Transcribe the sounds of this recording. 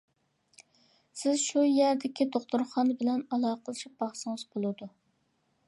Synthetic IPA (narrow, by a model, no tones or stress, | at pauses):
sɪzʃujæɾd̪ɪkʲid̪oχt̪ʊɾχɑnbɪlɛnɑlˠɑːqʰəlˠɨʃip̚bɑχsɨŋɨzbolˠɨd̪u